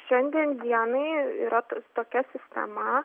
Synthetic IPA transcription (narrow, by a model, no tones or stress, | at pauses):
ʃʲɛnʲd̪ʲiɛnd̪ʲiɛnɐɪḭɾɐt̪t̪oːkʲɛsʲɪsʲt̪ʲɛ̰mɐ